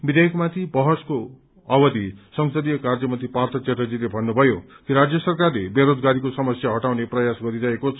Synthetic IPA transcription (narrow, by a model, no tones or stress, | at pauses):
bid̪ʱejʌkmat̪ʰibʌɦʌsko | ʌbʌd̪isʌŋsʌd̪ijʌkard͡zʌmʌnt̪ipart̪ʰʌt͡set̪ʌd͡zilebʱʌnːubʱʌjo | kiɾad͡zjʌsʌrkarlebeɾod͡zɡaɾikosʌmʌsjaɦʌʈawneprʌjasɡʌɾiɾʌekot͡sʰ